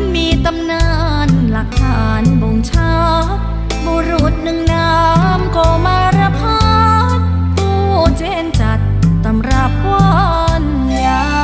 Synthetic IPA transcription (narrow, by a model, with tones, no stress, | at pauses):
miː˧t̪a˧mnaː˧ | nla˨˦k̚tʰaː˧˨˩nbo˨˩ŋt͡ɕʰa˧ | bo˧ɾu˨˧˩t̪̚nɯ˧˩ŋnaː˧mko˧˩maː˧ɾa˧pʰa˧ | kuː˧˩t͡ɕe˧˩˨nt͡ɕa˨˩t̪̚ːa˨˧mɾaː˧p̚wu˧ | n | a˧